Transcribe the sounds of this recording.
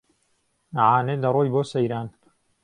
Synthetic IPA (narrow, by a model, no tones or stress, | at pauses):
naʕaːneːdɐrˤoːjboːsɐjɾaːn